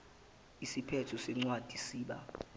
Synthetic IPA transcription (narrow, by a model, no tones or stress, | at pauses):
isipʰɛtʰusɛŋ͡ǀwad̥ʱisiːɓa̰